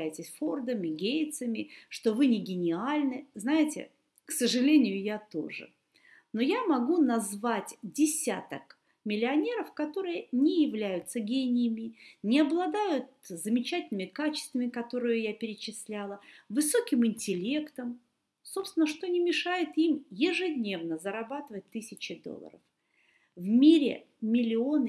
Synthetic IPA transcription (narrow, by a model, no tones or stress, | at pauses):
æjɪtʲɪsʲford̪əmʲɪɡʲejt̪səmʲɪʂt̪o̞vɨnʲɪɡʲɪnʲɪalʲnɨznajɪtʲɪ̰ | ksəʐɨlʲenʲɪjʊjat̪o̞̰ʐɨ̰ | no̞jamɐɡunɐzvatʲdʲɪsʲat̪ək | mʲɪlʲɪɐnʲe̞ɾəfkɐt̪o̞ɾɨjənʲɪjɪvlʲæjʊt̪səɡʲenʲɪjɪmʲɪnʲɪɐblˠɐd̪ajʊt̪̚zəmʲɪt͡ɕætʲɪlʲnɨmʲɪkat͡ɕɪ̥st̪vəmʲɪkɐt̪o̞ɾɨjʊjapʲɪɾʲɪt͡ɕɪsʲlʲælˠəvɨso̞kʲɪmɪnʲtʲɪlʲe̞kt̪əm | so̞psvʲɪnəʂt̪o̞nʲɪmʲɪʂajɪt̪imjɪʐɨdʲnʲe̞vnəzəɾɐbat̪ɨvət̚ʲt̪ːɨsʲɪt͡ɕɪd̪o̰lˠːə̰ɾə̰f | vmʲiɾʲɪ̰ | mʲɪlʲɪo̞nɨ